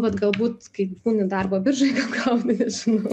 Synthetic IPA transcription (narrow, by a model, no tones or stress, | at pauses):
bʲɐt̪ɡɐlˠbuːt̪kɐɪbuːnʲɪd̪ɐrboːbʲɪrʒɐɪɡɐlɡɐʊnʲɪnʲɛʒʲɪnɐʊ